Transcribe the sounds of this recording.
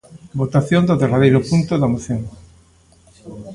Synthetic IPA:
bot̪aθjõnd̪ʊðeraðejɾʊpunt̪oðamoθjoŋ

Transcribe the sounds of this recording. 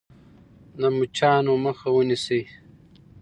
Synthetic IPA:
namut͡ʃaːnomɐxawunisej

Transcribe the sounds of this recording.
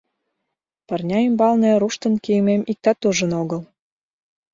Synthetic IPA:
pərnʲɑimbɑlnĕɾuʃt̪ə̆nkiəmemik̚t̪ɑt̪uʒə̆noɣəl

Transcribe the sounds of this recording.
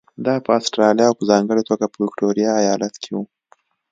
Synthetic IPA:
d̪ɑpəasʈɾɑlijɑwpəzɑŋɡəɽet̪oɡapəwɪkʈoɾijaːjɑlat̪kʰewu

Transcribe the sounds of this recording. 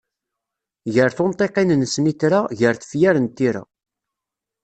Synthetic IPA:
ʝəɾθont̪ˤeqinənsniθɾaʝəɾθə̥fjæɾənt̪ːiɾa̰

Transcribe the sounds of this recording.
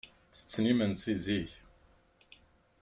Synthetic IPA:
t͡sːə̥t͡sːnimənsiziç

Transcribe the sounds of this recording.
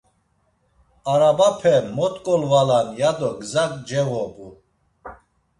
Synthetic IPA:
aɾabapʰɛmɔt̪ʼkʼɔlvalanjad̪ɔɡzakʼd͡ʒɛvɔbu

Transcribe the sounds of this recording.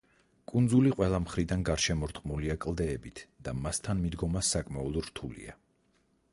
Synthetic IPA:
kʼund̪zuliqʼwɛlˠamχɾid̪anɡaɾʃɛmɔɾt̪ʼqʼmuliakʼlˠd̪ɛːbit̪ʰd̪̥amast̪ʰanmid̪ɡɔmasːakʼmaɔlˠɔɾt̪ʰulḭa

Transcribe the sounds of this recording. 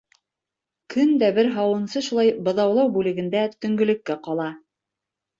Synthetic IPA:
kʰɵnd̪æbɘɾɦɑwɤ̆nsɤʃulˠɑjbɤ̆ðɑwlˠɑwbʉlɘ̆ɡɘ̆nd̪æt̪ɵ̆ŋɡɵ̆lɘ̆kːæqɑlˠɑ

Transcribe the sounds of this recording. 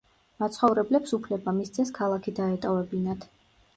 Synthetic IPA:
mat̪sʰχɔvɾɛblɛpsupʰlɛbamist̪sʰɛskʰalˠakʰid̪aɛt̪ʼɔvɛbinat̪ʰ

